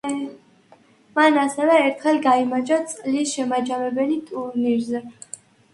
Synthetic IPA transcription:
manasɛvɛːɾt̪ʰχɛlɡaimad͡ʒat̪sʼqʼlisʃɛmad͡ʒamɛbɛlit̪ʼuɾniɾzɛ

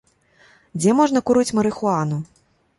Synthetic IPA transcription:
d͡zʲɛmɔʐnɐkuɾɨt͡sʲmɐɾɨxuanu

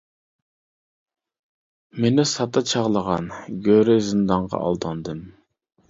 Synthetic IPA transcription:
menɪsɑt̪ɑt͡ʃʰɑʁlˠəʁɑnɡʲøɾɪzɨnd̪ɑɴʁɑ̰ʔɑ̰lˠd̪ɑnd̪ɨm

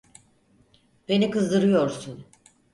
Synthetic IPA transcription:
be̞nikɯzd̪ɯɾɯjo̞ɾsun

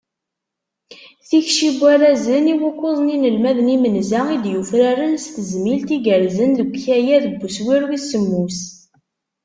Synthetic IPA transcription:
θiçʃibːæɾæzəniwukːoðˤninəlmæðnimənzæid̪jufɾaɾənst̪əzmilt̪iɡəɾzənləɡʷçæjæðəbːuswiɾwisəmːus

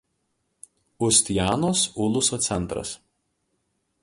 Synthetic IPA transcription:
ʊsʲt̪ʲjæːnoːsʊlˠʊsoːt̪sʲɛnˑt̪ɾɐ̰s

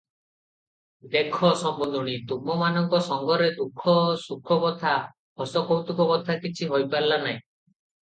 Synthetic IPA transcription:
d̪ekʰɔsɔmbɔnd̪ʱɔɽ̃it̪umɔmanɔŋkɔsɔŋɡɔɾed̪ukʰːɔsukʰːɔkɔt̪ʰa | hɔsɔkɔwt̪ukɔkɔt̪ʰakit͡ʃʰiɦojpaɾlanaj̃

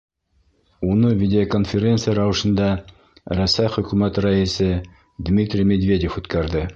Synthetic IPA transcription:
unɤvʲidʲɪokonfʲeɾʲe̞nt̪sɨjəɾɑwɤ̆ʃɤ̆nd̪ɑ | ɾæsæjχɵ̆kʉmæt̪ɾɑisɘ | d̪mʲit̪ɾʲimʲed̪vʲe̞dʲefʉt̪kæɾðɘ

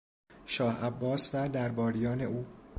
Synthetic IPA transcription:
ʃɒːhæbːɒːsvæd̪æɾbɒːɾijɒːne̞uː

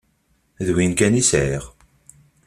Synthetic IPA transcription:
ðwinkænisʕiʁ

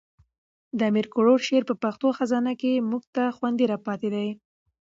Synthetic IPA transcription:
d̪əamiɾkʊɽoɾʃeɾpəpaxt̪oxazɑnakemuɡt̪axwand̪iɾɑpɑt̪ed̪aj

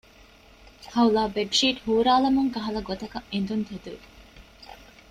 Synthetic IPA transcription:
hɐulaːbeɖʃiːʈhuːɾaːlɐmuŋkɐɦɐlɐɡot̪ɐkɐʔend̪unt̪ed̪uʋi

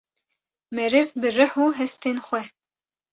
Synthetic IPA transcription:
mɛɾɨvbɨrɨħuːɦɛst̪ʰeːnxʷɛ

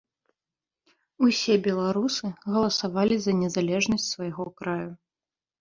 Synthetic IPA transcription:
usʲɛbʲɛlˠaɾusɨɣɐlˠɐsavalʲizɐnʲɛzalʲɛʐnɐsʲt͡sʲsvajɣɔkɾaju

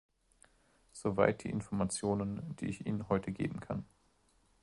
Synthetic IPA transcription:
z̥ovaɪt̚d̥ḭːʔɪnfɔɐmat͡sjoːnənd̥ḭːɪçʔḭːnənɦɔʏtʰəɡḛːbm̩kʰan

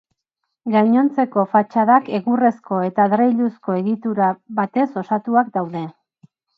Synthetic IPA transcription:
ɡajɲo̞nt͡se̞ko̞fat͡ʃaðake̞ɣure̞sko̞e̞t̪aðɾejʎusko̞e̞ɣit̪uɾaβat̪e̞so̞sat̪uak̚d̪awðe̞

